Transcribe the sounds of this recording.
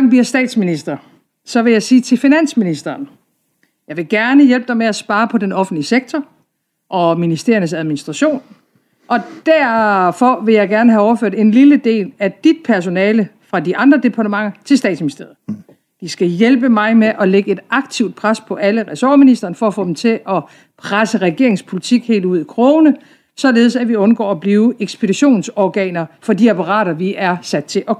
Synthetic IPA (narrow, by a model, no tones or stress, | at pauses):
ŋ̰bliɐ̰sd̥ɛ̰ːd̥sminisd̥ʁɐ | sɒ̽ʋe̝jɑ̈ɪsiːt͡sʰe̝lfinæn̰sminisd̥ɐːn | jɑ̈ɪʋe̝ɡ̥æɐnəjelb̥̚d̥ɑɪmeæsb̥ɑ̈ːpʰɒ̽d̥enɒ̽fn̩liseɡ̥̚t͡sʰɒ | ʔɒ̽minisd̥e̝ɐɐnəsæð̞ˠminisd̥ʁɑ̈ɕo̝̰ːn | ʔɒ̽d̥æɐ̰fɒ̽ʋe̝jɑ̈ɪɡ̥æɐnəɦæɒʊɐføɐ̰d̥e̝nliləd̥e̝̰ːlæd̥id̥̚pʰæɐs̬o̝nɛːləfʁɑ̈diʔɑ̈nd̥ʁɐd̥e̝pʰɑ̈ːɾʰəmɑ̈ŋ̰ɐt͡sʰe̝sd̥ɛ̰ːd̥sminise̝ɐð̩ˠ | d̥isɡ̥æjelb̥əmɑ̈ɪmeʔɒ̽leɡ̥əe̝d̥ɑ̈ɡ̥̚t͡sʰiʊd̥̚pʰʁaspʰɒ̽ʔæləʁɛsɒ̰ːminisd̥ʁɐːnəfɒ̽ːfɔ̰ːdem̩t͡sʰe̝ʔɒ̽ | pʰʁasəʁɛɡ̥e̝ɐe̝ŋspʰo̝lit͡sʰiɡ̥he̝̰ːlduð̞̰ˠikʰʁoʊnə | sɒ̽le̝ːð̞ˠsæʋiɔ̽nɡ̥ɒ̰ːɒb̥liːʊeɡ̥sb̥e̝d̥iɕo̝̰ːnsɒɡ̥ɛ̰ːnɐfɒ̽diæpʰɑʁɑ̰̈ːɾ̥ɐʋiʔæɐsæd̥̚t͡sʰe̝ʔɒ̽